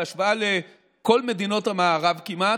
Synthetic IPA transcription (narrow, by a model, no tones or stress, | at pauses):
aʃvale | ko̞lme̞d̪ino̞thamaːʁavkima